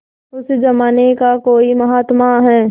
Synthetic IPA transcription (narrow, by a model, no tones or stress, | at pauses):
ʊsd͡ʒɐmaːnekakoːimɐɦaːt̪maɦɛː